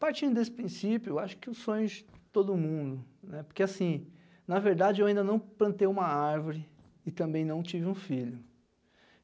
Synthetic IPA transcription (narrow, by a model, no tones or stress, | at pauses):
paɾt͡ʃĩd̪ʊd̪esɪ̥pɾĩsipjʊeaʃʊ̥kɪʊsõɲʊd͡ʒɪt̪od̪ʊmũnd̪ʊnɛpoɾkeasĩ | nɐveɾd̪ad͡ʒɪewaĩnd̪ɐnɐ̃w̃plɐ̃t̪ejũmɐaɾvoɾɪ | ɪt̪ɐ̃mbẽj̃nɐ̃w̃t͡ʃivɪũfiʎʊ